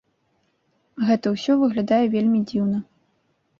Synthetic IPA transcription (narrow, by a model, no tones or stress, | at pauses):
ɣɛt̪ɐwsʲɔvɨɣlʲad̪ajɛvʲelʲmʲid͡zʲiwnɐ